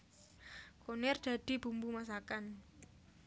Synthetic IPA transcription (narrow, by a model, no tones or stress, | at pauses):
konɛrd̪̥a̤d̪̥i̤b̥ṳmbumas̬akan